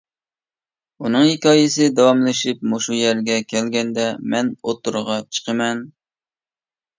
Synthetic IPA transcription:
unɨŋhikʲɑːjɪsɪd̪ɛwɑmlˠɨʃip̚moʃujæɾɡʲɛkʲʰɛlɡʲɛnd̪ɛmɛnot̪ːuɾʁɑt͡ʃʰə̥qʰəmɛn

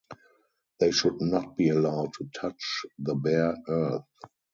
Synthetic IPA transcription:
ðeɪʃʊdnɔt̚b̥iːəlaʊd̚tʰutʰat͡ʃðəbɛɜ˞θ

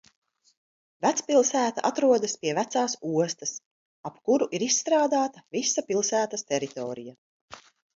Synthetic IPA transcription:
væt̪spilˠsæːt̪a̰ʔat̪ɾuɔd̪aspiɛvæt̪saːsuɔst̪ɐs | apkuɾuʔiɾisːt̪ɾaːd̪aːt̪avisapilˠsæːt̪ast̪ɛɾit̪ɔːɾija

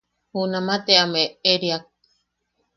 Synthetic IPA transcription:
hunamat̪eameeɾiak̚

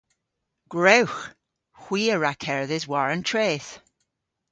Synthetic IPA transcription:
ɡ̥ɹewx | xw̥iːəɹakʰɛɹðɪzwaɹə̃ntʰɹ̥eːθ

